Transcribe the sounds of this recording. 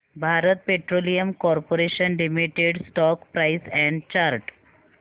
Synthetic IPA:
bʱaɾət̪̚peʈɾolijəmkɔɾpoɾeɕənlimiʈeɖsʈɔkpɾajsɛ̃ɳɖt͡ɕaɾʈ

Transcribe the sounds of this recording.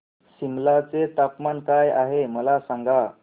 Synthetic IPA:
ɕimlat͡set̪apmankajaɦeməlasaŋɡa

